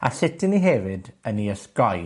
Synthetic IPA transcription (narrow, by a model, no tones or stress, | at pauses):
a̰sɪtʰɪniɦɛvɨdəniəsɡɔj